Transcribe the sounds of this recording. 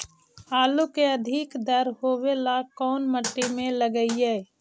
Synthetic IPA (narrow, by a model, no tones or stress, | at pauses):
aːlukeəd̪ʱikd̪əɾɦoːwelakɔːnməʈːimẽləɡəiɛː